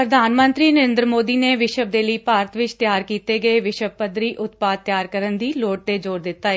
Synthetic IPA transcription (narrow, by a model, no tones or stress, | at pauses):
pɾəd̪ʱaːnmə̃nt̪ɾiːnəɾɪ̃nd̪ɾəmoːd̪iːneːʋɪʃəbd̪eːləiːpaːɾət̪ʋɪt͡ʃt̪jaːɾkiːt̪eːɡəeːʋɪʃəbpəd̪ɾiːʔʊt̪paːd̪̚t̪ːjaːɾkəɾənd̪iːloːʈ̚t̪eːd͡ʒoːɾd̪ɪt̪ːaːe